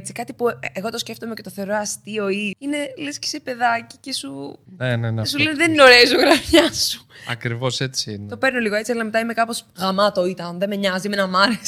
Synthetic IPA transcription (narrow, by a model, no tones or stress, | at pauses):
t͡sikɐt̪ipueɣo̞t̪o̞sce̞ft̪omecet̪oθe̞oɾo̞ɐst̪io̞iine̞lesce̥sepe̞ðɐci̥ce̞sunenensulenðeninoɾesoɣɾɐfçɐsu̥ɐ̰kɾivo̞se̞t͡sint̪opeɾno̞liɣo̞e̞t͡siɐlɐmet̪ɐime̞kɐpo̞sɣɐmɐt̪oit̪ɐnðe̞meɲɐzimenɐmɐɾes